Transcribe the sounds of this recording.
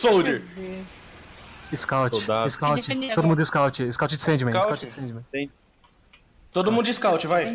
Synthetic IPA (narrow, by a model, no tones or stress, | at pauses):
sowd͡ʒɪ | ɪskawt͡ʃɪaɪskawt͡ʃod̪ʊmũd̪ʊɪskawt͡ʃɪɪskawt͡ʃɪd͡ʒɪsẽd͡ʒɪmẽskawt͡ʃɪsẽd͡ʒɪmẽẽ | t̪od̪ʊmũnd̪ʊɪskawt͡ʃɪvaj